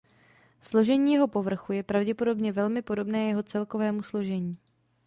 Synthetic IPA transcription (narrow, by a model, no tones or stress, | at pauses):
slo̞ʒɛɲiːjɛɦo̞po̞vr̩xujɛpɾavɟɛpo̞do̞bɲɛvɛlmɪpo̞do̞bnɛːjɛɦo̞t͡sɛlko̞vɛːmuslo̞ʒɛɲiː